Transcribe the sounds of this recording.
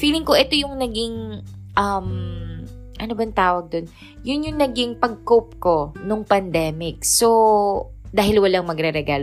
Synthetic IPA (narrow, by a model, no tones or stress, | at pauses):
fiːlɪŋko̞ʔɛt̪o̞jʊŋnɐɡɪŋ | ʔɐm | ʔɐnobɐŋt̪aːwɐɡ̚d̪o̞n | jʊnjʊŋnɐɡɪŋpɐɡ̚kopko̞nʊŋpɐnd̪ɛːmɪk̚so | d̪aːhɪlwɐlaŋmɐɡɾɛɾɛɡaːl